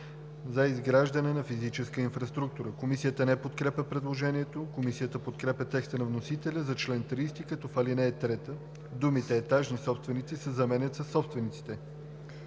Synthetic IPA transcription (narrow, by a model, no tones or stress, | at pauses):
zɐizɡɾaʒd̪ənɛnɐfizit͡ʃɛskəinfɾɐst̪ɾuk̚t̪uɾəkomisijət̪ənɛpot̪kɾɛpʲəpɾɛd̪lˠoʒɛniɛt̪okomisijət̪əpot̪kɾɛpʲɐt̪ɛkst̪ənɐvnosit̪ɛlʲəzɐt͡ʃlɛnt̪ɾist̪ikət̪ɔfalinɛːt̪ɾɛt̪ə | d̪umit̪ɛːt̪aʒnisɔpst̪vɛnit̪sisəzɐmɛnʲət̪sɐsːɔpst̪vɛnit̪si̥t̪ɛ